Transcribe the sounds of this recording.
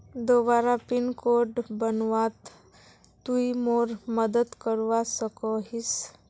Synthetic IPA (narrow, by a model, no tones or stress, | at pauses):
d̪oʋaɾapinkoɖbənʋat̪ː | uimoɾməd̪ət̪kəɾʋasəkɔɦis